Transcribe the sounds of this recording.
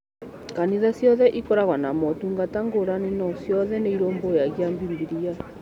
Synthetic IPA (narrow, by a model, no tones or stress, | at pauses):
kaniðasjɔðɛʔikɔɾaɣwanamɔtuŋɡataŋɡoɾaninɔsjɔðɛneiɾoːmbojaɣjambimbiɾia